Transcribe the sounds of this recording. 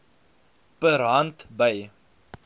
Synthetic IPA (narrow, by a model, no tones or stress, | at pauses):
pəɾɦɦɐntbɐj